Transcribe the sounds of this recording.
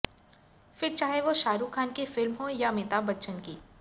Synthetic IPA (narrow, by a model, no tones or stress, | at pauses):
fɪɾt͡ʃaːɦeʋoʃaːɾukʰaːnkefɪlmɦõjamɪt̪abɐtːʃənkiː